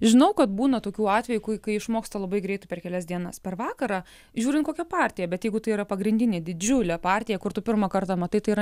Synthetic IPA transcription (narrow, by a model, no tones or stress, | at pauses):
ʒʲɪnɐʊkɐt̪buːnɐt̪oːkʲuːɑːt̪ʲʋʲɛjukʊkɐɪɪʃmoːkst̪ɐlˠɐbɐɪɡɾɛɪt̪ʊpʲɛrkʲɛlʲɛsd̪ʲiɛnɐspʲɛɾʋɑːkɐɾɑː | ʒʲuːɾʲɪnt̪koːkʲɛpɑːɾʲt̪ʲɪjɛbʲɛt̪jɛɪɡʊt̪ɐɪiːɾɐpɐɡɾʲɪnʲd̪ʲɪnʲeːd̪ʲɪd͡ʒʲʊlʲɛpɑːɾʲt̪ʲɪjɛkʊrt̪ʊpʲɪrmɐkɐrt̪ɐmɐt̪ɐɪt̪ɐɪiɾɐ